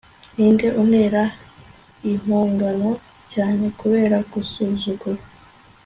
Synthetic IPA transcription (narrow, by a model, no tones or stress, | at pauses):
niːnde̞ʔun̥e̞ːɾa | im̥huːŋɡano̞ | caːne̞kuβe̞ːɾaɡusuːzuɡa